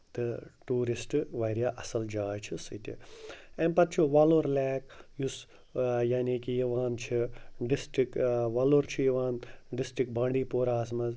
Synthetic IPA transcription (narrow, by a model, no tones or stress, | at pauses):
t̪ɨʈuːɾisʈɨʋɐːɾijaːʔɐsɐld͡ʒaːjt͡ʃʰisɨt̪ʲḭenpɐt̪̚t͡ʃʰuʋaːloːɾlɛːkjus | jaːniːkijiʋaːnt͡ʃʰiɖisʈɾikʋaːloːɾt͡ʃʰijiʋaːnɖɪsʈɾik̚bãːɳɖiːpoːɾaːsmɐz